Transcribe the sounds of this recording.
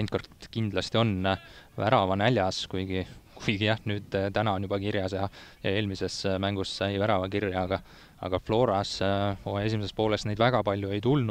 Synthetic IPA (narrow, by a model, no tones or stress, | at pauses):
ent̪kort̪kind̪̥lɑst̪io̞nvæ̰ɾɑvɑnælʲjɑskujɡ̥ikujɡ̥ijɑhnyːd̪̥t̪ænɑo̞njubɑkirjɑsjɑjɑ̰e̞ːlmise̞smæŋɡussɑjvæɾɑvɑkirjɑɡ̥ɑ | ɑ̰ɡ̥ɑflo̞ːɾɑs | e̞s̬ʲimesespo̞ːlest̪nejd̪̥væɡ̥ɑpɑlʲjue̞jt̪ulnu